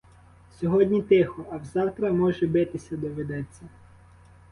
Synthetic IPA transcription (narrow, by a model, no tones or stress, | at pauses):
sʲɔɦɔdʲnʲit̪ɪxɔɐwzɑwt̪ɾɐmɔʒɛbɪt̪ɪsʲɐd̪ɔʋɪd̪ɛt͡sʲːɐ